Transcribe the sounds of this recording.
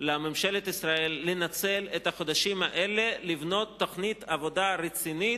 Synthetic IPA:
lamemʃe̞let̪isʁaelːenat͡selet̪haχo̞d̪aʃimaʔele̞livno̞t̪ːoχnit̪ʰavo̞d̪aɾet͡sini

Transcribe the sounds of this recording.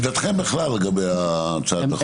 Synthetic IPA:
d̪at̪χembeχlalːeɡabejat͡sad̪a

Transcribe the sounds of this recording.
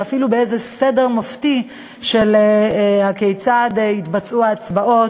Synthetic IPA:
afilubeezesede̞ʁmofti | ʃeleakejt͡sad̪eit̪bat͡suaːt͡sbaʔo̞

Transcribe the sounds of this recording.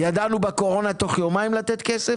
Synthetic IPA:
jad̪anubako̞ʁo̞nat̪o̞χjo̞maimlat̪et̪kese

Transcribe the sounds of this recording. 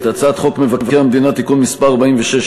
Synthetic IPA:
t̪at͡sat̪χo̞kmevakevaeamed̪inat̪ikunmispaʁabaiɱveʃeʃ

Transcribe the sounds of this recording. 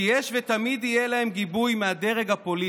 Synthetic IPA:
jeʃvet̪amid̪ijelae̞mɡibujmead̪eʁe̞ɡhapo̞li

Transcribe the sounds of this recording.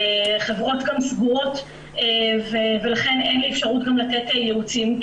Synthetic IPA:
χevʁo̞tɡamsɡuʁo̞t | eveve̞laχe̞nenliefʃaʁutɡamlatetejeut͡sim

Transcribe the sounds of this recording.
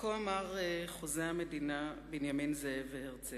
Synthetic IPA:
koamaʁeχozeamedinabinjaminzeeveheʁt͡se

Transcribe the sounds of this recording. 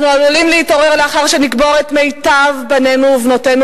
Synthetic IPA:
nualulimleito̞ʁeʁleaχaʁʃenikbo̞ʁetme̞jtavbane̞nuːvnotenu

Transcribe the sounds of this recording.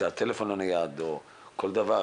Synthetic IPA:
at̪elefonanajad̪o | kold̪ava

